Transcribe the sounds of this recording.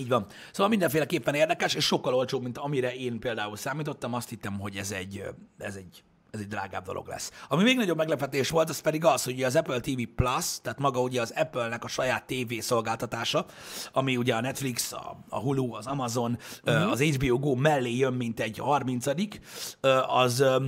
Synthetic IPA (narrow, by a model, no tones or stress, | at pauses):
iːɟvɒm | soːʋɒlmind̪ɛɱfeːlɛkeːpːɛneːrd̪ɛkɛʃeːʃʃo̞kːɒlolt͡ʃoːbmint̪ɒmiɾɛeːnpeːld̪aːulsaːmiːt̪o̞t̪ːɒmɒst̪hit̪ːɛmɦo̞ɟɛzɛɟːɛzɛɟ | ɛzɛɟ̚d̪ra̰ːɡa̰ːbd̪o̞̰lo̰ɡlɛ̰sːɒmimeːɡnɒɟobmɛɡlɛpɛt̪eːʃʋo̞lt̪ɒspɛd̪iɡɒsho̞ɟuɟɛɒzɛpølt̪iːviplɒst̪aːt̪mɒɡɒuɟɛɒzɛpølnɛkɒʃɒjaːt̪ːeːveːso̞lɡaːlt̪ɒt̪aːʃɒ | ɒmiuɟɛɒnɛt̪fliksɒ̰ɒ̰ɦuluɒzɒmɒzo̞nøɒzɛd͡ʒbioːɡoːmɛlːeːjømːint̪ɛɟhɒrmint̪sɒd̪ikøːʔɒz